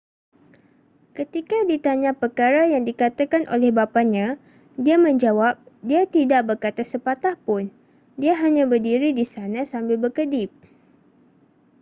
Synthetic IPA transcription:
kət̪ikadit̪aɲãpəkaɾajaŋdikat̪akanʔo̰lɛhbapaɲã | diamə̃ɲd͡ʒawap̚diat̪idaʔbərkat̪asəpat̪ahpʊn | diaɦaɲãbərdiɾidisanãsambɪlbərkədɪp̚

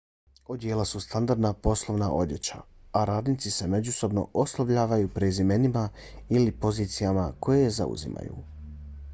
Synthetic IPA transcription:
o̞d̪jeːlasust̪and̪aɾd̪napo̞slˠoʋnaʔo̞̰d̪je̞t͡ɕaaɾaːd̪nit̪sise̞me̞d͡ʑuso̞bno̞̰ʔoslˠaʋʎaːʋajuːpɾezime̞nimailipo̞ziːt̪sijamakʰojeza̰ṵzḭma̰jṵ

